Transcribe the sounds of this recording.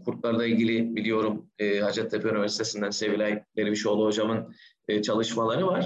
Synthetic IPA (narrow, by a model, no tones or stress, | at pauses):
kʰuɾt̪̚lˠaɾlˠailʲɟilʲibilʲijo̞ɾumɯːhad͡ʒɛt̪ʰːepʰeynivæɾsit̪ʰe̞sind̪ænse̞vilʲɛjlʲeɾibiʃolˠuɦo̞d͡ʒamɯn | ɯːt͡ʃʰalˠɯʃmalˠaɾɯvaɾ̥